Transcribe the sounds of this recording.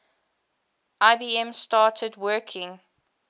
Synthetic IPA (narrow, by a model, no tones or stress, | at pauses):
ʔaɪbiːɛ̃mstɑːˑtʰədwɜːˑkʰɪ̃ŋ